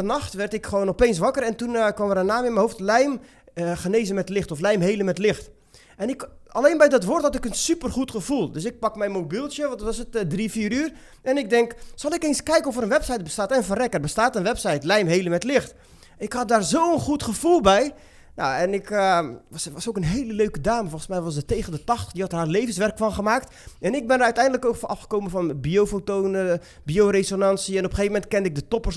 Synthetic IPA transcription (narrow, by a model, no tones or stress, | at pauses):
ənaxtʋɛrtɪkxəʋoːnɔpeːns̬ʋakərɛntunkwamʋərənaːmɪnmɛjhoːftlɛjm | χəneːzənmɛtlɪxtɔflɛjmɦeːləmɛtlɪxt | ɛnɪkaleːnbɛjdɔtʋorthatɪkənsypərxutxəfulˠdøsɪk̚pakmɛjnmobilˠsjəʋɔntɔsətdrifiːəɾyːr | ɛnɪk̚dɛŋksɑlˠɪkeːnskɛjkənɔfərənʋɛpsɛjt̚bəstaːtɛnfərɛkərbəstaːtənʋɛpsɛjtlɛjmɦeːləmɛtlɪxt | ɪkhɑt̚daːrzowənχutχəv̥ulˠbɛj | na̰ɛnɪkʋsʋɔsokənɦeːləløːkədaːməfolˠχənsmɛjʋɔsətejɣəndətɑxtə̥χdihɑthaːrleːvənsʋɛrkfɔnχəmaːkt | ɛnɪk̚bɪnəɾœɥtɛjndələkokfɔnʔɑfχə̥koːmənfɔnbiowfotoːnə | bioɾesonansiɛnopəxeːvəmɛntkɛndɪk̚dətopərs